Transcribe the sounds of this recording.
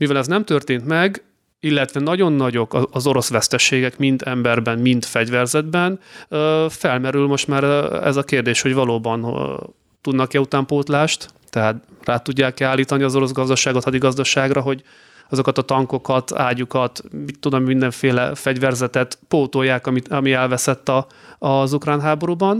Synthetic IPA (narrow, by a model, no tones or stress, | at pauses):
mivɛlɛznɛmt̪ørt̪eːnt̪mɛɡ | ilːɛt̪ʋɛnɒɟo̞nːɒɟo̞kɒɒzo̞ɾo̞sʋɛst̪ɛʃeːɡɛkmint̪ɛmbɛrbɛnmint̪fɛɟvɛrzɛd̪bɛnøfɛlmɛɾylmo̞ʃt̪maːɾɛ̰zɒkeːrd̪eːʃho̞ɟvɒloːbɒn | t̪ud̪nɒkɛut̪aːmpoːt̪laːʃt̪t̪ɛɦaːt̪raːt̪uɟːaːkːɛaːlːiːt̪ɒniɒzo̞ɾo̞sɡɒzd̪ɒʃaːɡo̞t̪ɒd̪iɡɒzd̪ɒʃaːɡrɒɦo̞ɟ | ɒzo̞kɒt̪ɒt̪ɒŋko̞kɒt̪a̰ːɟukɒt̪mit̪ːud̪ommind̪ɛɱfeːlɛfɛɟvɛrzɛt̪ɛt̪poːt̪ojːaːkɒmiɒmiɛlvɛsɛt̪ːɒː | zukraːnɦaːbo̞ɾubɒn